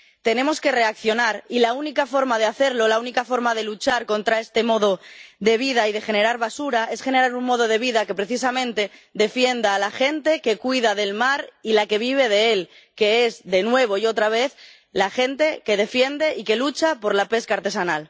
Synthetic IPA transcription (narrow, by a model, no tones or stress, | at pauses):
t̪e̞nẽ̞mo̞ske̞re̞akθjo̞naɾilaunikafo̞ɾmað̞e̞aθe̞ɾlo̞launikafoɾmað̞e̞lut͡ʃaɾko̞nt̪ɾae̞st̪e̞mo̞ð̞o̞ðe̞β̞ið̞aið̞e̞xe̞ne̞ɾaɾβasuɾaʔe̞sxe̞ne̞ɾaɾuŋmo̞ðo̞ð̞e̞βiðake̞pɾe̞θis̬amẽnt̪e̞d̪e̞fje̞nd̪aːlaxe̞nt̪e̞ke̞kwiðaðe̞lmaɾilake̞βiβ̞e̞ð̞e̞e̞l | ke̞ezðe̞nwe̞β̞o̞io̞t̪ɾaβ̞e̞θ | laxe̞nt̪e̞ke̞ð̞e̞fje̞nd̪e̞ʔike̞lut͡ʃapo̞ɾlape̞skaːɾt̪e̞sanal